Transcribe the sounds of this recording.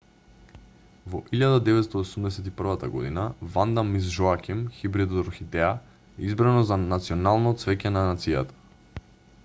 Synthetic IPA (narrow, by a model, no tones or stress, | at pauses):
vɔ̰ʔiʎad̪ad̪ɛvɛt̪st̪oosumd̪ɛsɛt̪ipr̩vat̪aɡɔ̰d̪ḭnavand̪amis̬ʒɔakʲimxibɾid̪ɔɾxid̪ɛa | ɛizbɾanɔzanat̪sioɔnalˠnɔt̪svɛcɛnanat̪sija̰t̪ḁ